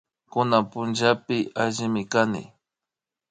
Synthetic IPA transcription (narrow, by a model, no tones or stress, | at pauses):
kʊnapʊnd͡ʒapɪaʒɪmɪkanɪ̰